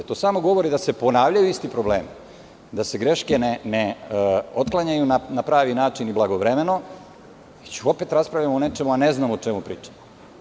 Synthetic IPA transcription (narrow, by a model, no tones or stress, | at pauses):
at̪oːsaːmo̞ɡo̞ʋo̞ɾid̪ase̞po̞naːʋʎajuist̪ipɾo̞bleːmi | d̪ase̞ɡɾe̞ʃke̞neneo̞t̪klˠaɲajunanapɾaːʋinaːt͡ʃiniblaɡo̞ʋɾeme̞no̞ | it͡ɕuo̞pe̞t̪ɾaspɾavʎamoone̞t͡ʃe̞muane̞znaːmot͡ʃe̞mupɾiːt͡ʃḁmo